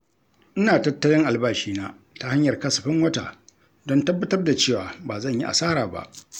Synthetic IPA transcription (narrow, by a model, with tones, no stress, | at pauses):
ʔɪ˦naː˨tɐ˦tːɐ˦lɪ˦ŋʔa˨lbaː˦˨ʃiː˦naː˦ | ta˦ha˦ɲjɐ˨rkɐ˦sɐ̥˨ɸɪ˦ŋwɐ˦ta̰ː˨ | dɔ˦ntɐ˦bːɐ˦tɐ˦rda˨t͡ʃeː˦˨waː˨baː˨zɐ˦˨ɲji˦ʔa̰˨saː˦ɾaː˨ba̰˨ʔ